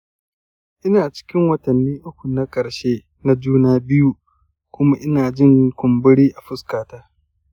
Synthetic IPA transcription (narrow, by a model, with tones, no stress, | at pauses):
ʔɪ˦naː˨t͡ʃɪ̥˦kʲɪ˦ŋwɐ˦tɐ˨nːiː˦ʔʊ˦kʷu˨na˦kʼɐ˨ɽʃeː˦ | na˦d͡ʒuː˦naː˦bɪ˦ju˦ | kʷʊ˦ma˦ʔɪ˦naː˨d͡ʒɪ˦ŋkʷʊ˨mbʊ˦ɽiː˦ʔa˨ɸʊ˦skaː˨taː˦